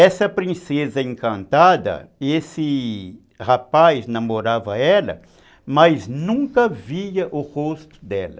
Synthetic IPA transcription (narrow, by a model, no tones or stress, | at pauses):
ɛsɐpɾĩsezɐẽŋkɐ̃nt̪ad̪ɐ̰esɪ | hapajznɐmoɾavɐɛlɐ̰ | mɐjznũŋkɐviɐʔʊhost̪ʊ̥d̪ɛlɐ